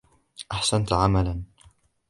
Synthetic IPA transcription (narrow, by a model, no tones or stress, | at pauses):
ʔaħsant̪ʕamalan